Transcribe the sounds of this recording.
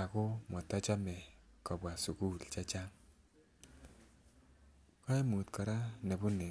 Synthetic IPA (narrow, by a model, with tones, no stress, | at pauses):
a˨ko˦mɔ˨ta˦t͡ʃa˦mɛ˨kɔ˨bwa˨su˨ku˦lt͡ʃa˦t͡ʃa˦ŋ | kɔ˦i˦mu˨tkɔ˨ɾa˦nɛ˨bu˦ne˨